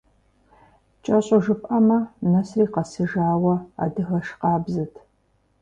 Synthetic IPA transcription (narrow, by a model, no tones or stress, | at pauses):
t͡ʃʼɐɕʼʊʒɨpʼɐmɐnɐsriːqɐsɨʒaːwɐa̰ːdɨxɐʃqɑːbzɨtʰ